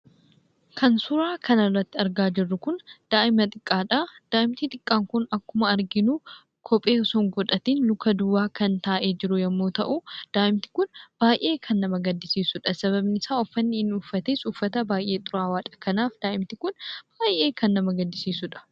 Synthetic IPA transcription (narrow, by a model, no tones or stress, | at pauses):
kʰɐnsʊɾaːkʰɐnɐrːɐt̪ːɪɐɾɡaːd͡ʒɪrːʊkʊnd̪̥aːʔɪmɐt̪ʼɪkʼːaːᶑad̪̥aːʔɪmt̪it̪ʼɪkʼːaːŋkʊnɐkːʊmɐɐɾɡɪnuː | kʰɔpʼeːɔsɔŋɡɔᶑ̪ɐt̪iːnlʊkːɐd̪ʊwaːkɐnt̪aːʔe̞ːd͡ʒɪɾʊjɐmːoːt̪ɐʔuːd̪̥aːʔɪmt̪ɪ̥kʊnb̥aːjʔe̞ːkʰɐnːɐmɐɡɐd̪ːɪsiːsʊᶑɐsɐβɐbnɪsaːɔfːɐnːɪɪnuːfːɐt̪eːsuːfːɐt̪ɐbaːjʔe̞ːt̪ʼʊɾaːwaːt͡ʃʼɐkɐnaːfd̪aːʔɪmt̪ɪkʊnb̥aːjʔe̞ːkɐnːɐmɐɡɐd̪ːɪsiːsʊᶑɐ̥